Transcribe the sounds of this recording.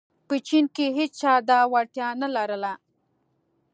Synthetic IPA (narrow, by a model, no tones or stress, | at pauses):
pət͡ʃinkeɦet͡st͡ʃɑd̪ɑwaʈjɑnalaɾəla